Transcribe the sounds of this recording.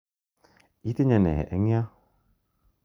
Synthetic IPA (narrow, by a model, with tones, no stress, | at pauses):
i˦t̪e˦ɲa˨nɛ̰˨hɛ̰˨ʔɛ˦ŋi˦a˦